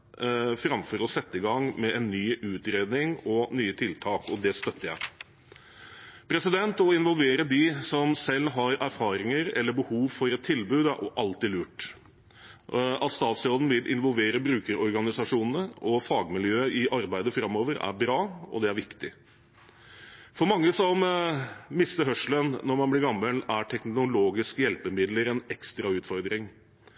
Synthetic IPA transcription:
fɾɑmfɔɾɔsɛt̪ːəɪɡɑŋmɛʔɛnːyːʉːt̪ɾeːd̪nɪŋɔnyːət̪ʰɪlt̪ʰɑːkɔd̪ɛst̪œt̪ːəjæ̰ɪ | pʰɾɛsɪd̪ɛnt̪ɔɪnʋɔlʋeːɾəd̪ɪsɔmsɛlːɦɑɾæɾfɑːɾɪŋəɾɛlːəbəhuːʋfɔɾɛt̪ʰːɪlbʉːd̪æɾʔʔɑlt̪ɪlʉːʈ | ʔɑt̪st̪ɑːt̪sɾoːd̪n̩ʋɪlʔɪ̰nʋɔlʋeːɾəbɾʉːkəɾɔɾɡɑnɪsɑʂuːnənəʔɔfɑːɡmɪljøːəɪʔɑɾbæɪd̪əfɾɑmːoːʋəɾæ̰ɾbɾɑːɔ̰d̪ɛæɾʋɪkt̪ɪ | fɔɾmɑŋːəsɔm | mɪst̪əɾhœʂlənnɔɾmɑnblɪɾɡɑmːəlæʈʰɛknʊloːɡɪskjɛlpəmɪd̪ləɾɛnɛkst̪ɾɑʉːt̪fɔɾd̪ɾɪŋ

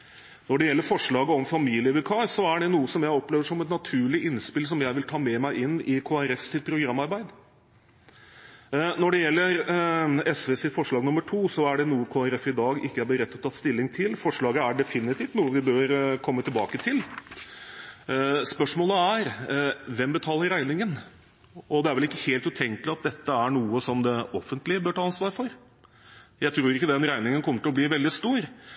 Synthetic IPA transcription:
nɔɖɛjɛlːəɾfɔʂɭɑːɡəɔmfɑmiːlɪəʋɛkʰɑːsɔæɖɛnuːəsɔmjæɪɔpleːʋəʂɔmɛt̪nɑt̪ʰʉːɭɪɪnspɪls̬ɔmjæɪʋɪlt̪ʰɑːmɛmæɪʔɪnːɪkʰoːæɾɛfsɪt̪̚pʰɾʊɡɾɑmːɑɾbæɪd̪ | nɔɖɛjɛlːəɾ | ɛsʋeːsɪfɔʂɭɑːɡnʊmːəʈʰuːsɔæɖɛnuːəkʰoːæɾɛfɪd̪ɑːɡɪkːəæbəɾɛt̪ːɔt̪ʰːɑt̪ːst̪ɪlːɪŋt̪ʰɪlfɔʂɭɑːɡəæɖɛfɪnɪt̪ɪːft̪nuːəʋɪbøːɾkʰɔmːət̪ɪlbɑːkət̪ʰɪl | spœʂmoːləæɾʋɛmbət̪ʰɑːləɾæɪnɪŋən | ɔd̪ɛæɾʋɛlɪkːə̥heːlt̪ʉt̪ʰɛŋkəlɪɑt̪̚d̪ɛt̪ːəæɾɳuːəsɔmd̪ɛɔfːənt̪lɪəbøːʈʰɑːɑnsʋɑːɾfɔɾ | jæɪt̪ʰɾuːɾɪkːəd̪ɛnɾæɪnɪŋənkʰɔmːəʈɪlɔb̪liːʋɛld̪ɪst̪uːɾ

